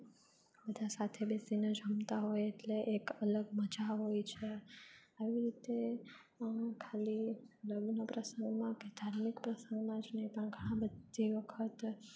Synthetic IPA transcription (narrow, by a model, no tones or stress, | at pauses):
bəd̪ʱasat̪ʰebesined͡ʒəmt̪aɦojeʈleʔekələɡməd͡ʒaɦojt͡ʃʰe | aʋiɾit̪e | kʰaliələɡnapɾəsəŋɡmãked̪ʱaɾmikpɾəsə̃ŋɡmãd͡ʒnəipəɳɡʱəɽ̃ãbəd̪ʱiʋəkʰət̪